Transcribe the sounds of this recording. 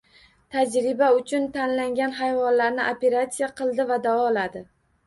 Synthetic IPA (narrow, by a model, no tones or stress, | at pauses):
t̪ʰad͡ʒɾɪbaʊt͡ʃʰʊnt̪ʰanlaŋɡʲanɦajvɒnlaɾnɪʔope̞ɾat̪sijaqʰɨlˠd̪ɪvad̪avɒlad̪ɪ